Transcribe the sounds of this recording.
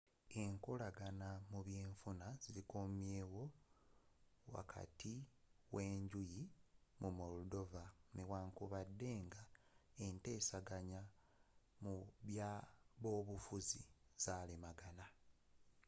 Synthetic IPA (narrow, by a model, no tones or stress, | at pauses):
e̞ŋkolaɡanamuβjeːɱfunaziikomumje̞ːwo̞ | wa̰kʰa̰ti | we̞ːɲɟujimumoludo̞vanewaːŋkuβadːe̞ːŋɡaente̞ːsaɡaɲa | muβjaβo̞ːβufuziz̥aːlimaɡana